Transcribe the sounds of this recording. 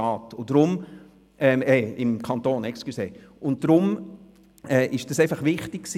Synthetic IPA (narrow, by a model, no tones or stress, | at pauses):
ɑːtʊd̥ɾʊm | ʔɛːmɛːɪmkʰɑntoːnɛkskyseːʊnt̚d̥ɾʊm | ɛːʔɪʃd̥ɑseɪfɑχʋɪχtɪkksi